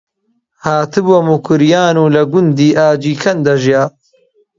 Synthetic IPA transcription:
haːt̪ʰɨbɐmukʰɨɾijaːnuːlɐɡʊnd̪iːʔaːd͡ʒiːkʰɐnd̪ɐʒjaː

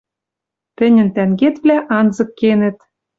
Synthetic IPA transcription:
t̪ɘ̆nʲɘ̆nt̪æŋɡet̪vlʲæʔɑnzɤ̆kːenɘ̆t̪

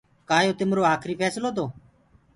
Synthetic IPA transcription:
kaːjoːt̪ɪmɾoːaːkʰɾiːpʰɛːsloːt̪oː

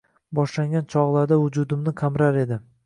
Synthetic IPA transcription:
bɒʃlaŋɡʲant͡ʃʰɒʁlˠaɾd̪avʊd͡ʒʊd̪ɪmnɪkʰamɾaɾe̞d̪ɪ

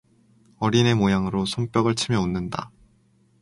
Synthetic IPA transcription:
ʌɾine̞mojaŋɯɾosʰʌmp͈jʌɡɯɭt͡ɕʰɯmjʌonːɯnda̰

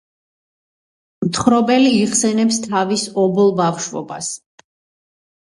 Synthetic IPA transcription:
mt̪ʰχɾɔbɛliːʁsɛnɛpst̪ʰavisɔbɔlˠbafʃvɔ̰bas

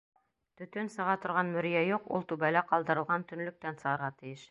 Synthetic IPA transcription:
t̪ɵ̆t̪ɵnsɤ̆ʁɑt̪ŏɾʁɑnmɵ̆ɾjæjuqṵlˠt̪ʉbælˠɑqɑlˠd̪ɤ̆ɾɤ̆lˠʁɑnt̪ɵ̆nlɵ̆k̚t̪ænsɤ̆ʁɤ̆ɾʁɑt̪ɘ̆jɘʃ

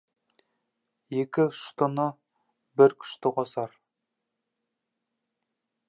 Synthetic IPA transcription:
jekʲɪʃt̪ʊnə | bɪɾkʲʰʏ̥ʃt̪ɪqʰosɑɾ

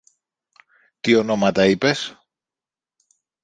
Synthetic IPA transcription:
t̪io̞no̞mɐt̪ɐipe̞s

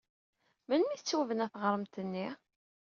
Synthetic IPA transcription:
mənmiθt͡sːuvənæθʁəɾˤəmt̪ənːi

